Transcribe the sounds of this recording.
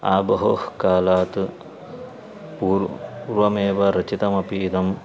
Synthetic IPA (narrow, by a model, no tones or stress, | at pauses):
a̰ːbɐɦohkaːlaːt̪ɨ | puːɾʋɐmeːʋɐɾɐt͡ʃit̪ɐmɐpiːd̪ɐm